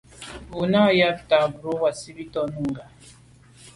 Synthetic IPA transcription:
u˨na˦˨ja˦bta˨bu˨ɾo˦wa˨si˦bi˦tɔ˦nu˦ŋɡa˨

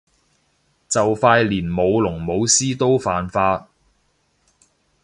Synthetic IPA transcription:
t͡sɐ˨wfaː˧jliː˨˩nmo˨˧wlʊ˨˩ŋmo˨˧wsiː˥t̪o˥wfaː˨nfaː˧t̚

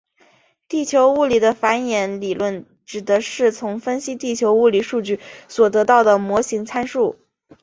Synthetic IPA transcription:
t̪i˥˩t͡ɕʰjo˧˥ʊu˥˩li˨˩d̪ə˦fa˧˥njɛ˧˥nli˨˩lwə˥˩n | ʈ͡ʂɻ̩˨˩d̪ə˧˦ʂɻ̩˥˩t͡sʰʊ˧˥ŋfə˥nɕi˥t̪i˥˩t͡ɕʰjo˧˥ʊu˥˩li˨˩ʂu˥˧t͡ɕy˥˩swɔ˨˩t̪ɤ˧˥t̪ɑ˥˩ʊd̪ə˩mwɔ˧˥ɕi˧˥ŋt͡sʰa˥nʂu˥˩

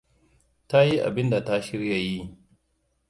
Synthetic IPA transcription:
ta˦ji˦ʔa̰˨bɪ˦nda˨ta˦ʃɪ˦ɾja˨ji˦

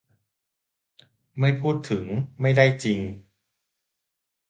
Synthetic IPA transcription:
ma˥˩jpʰuː˥˩t̪ʰːɯ˩˦ŋma˥˩jda˥˩jt͡ɕi˧ŋ

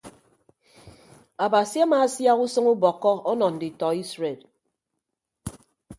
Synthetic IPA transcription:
a˨ba˨si˦a˦maː˨˦sja˦ku˦sɨ˦ŋu˦bɔ˨kːɔ˦ɔ˦nɔ˨n̩˨di˨tɔ˨i˦sɾe˨l

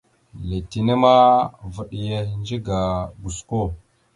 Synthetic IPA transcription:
le˨ti˨nə˦ma˦və˨ɗi˨je˦nd͡ʒi˦ɡa˨ɡu˨sko˦˨

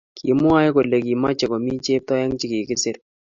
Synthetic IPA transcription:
kʰi˨˦mʊ˦a˦jko˨lːe˨ki˨ma˦t͡ʃɛ˨kɔ˨mi˦t͡ʃe˦p̚tɔ˦jɛ˦ŋt͡ʃɪ˦ki˨kɪ˦sɪ˦ɾ

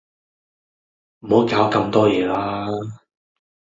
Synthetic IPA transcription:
m̩˨˩ho˨˥wkaː˨˥wkɐ˧mt̪ɔː˥jɛː˨˧laː˥

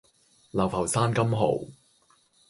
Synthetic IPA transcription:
lɐ˨˩wpʰɐ˨˩wsaː˥nkɐ˥mɦo̰˨˩w

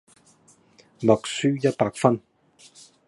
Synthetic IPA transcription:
mɔ˨k̚syː˥jɐ˥t̚paː˧k̚fɐ˥n

